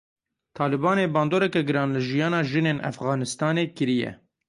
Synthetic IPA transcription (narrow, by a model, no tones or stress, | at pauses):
t̪ʰɑːlɨbɑːneːbɑːnd̪oːɾɛkɛɡɨɾɑːnlɨʒijɑːnɑːʒɨneːnʔæ̰fɣɑːnɨst̪ɑːneːkɨɾijɛ̰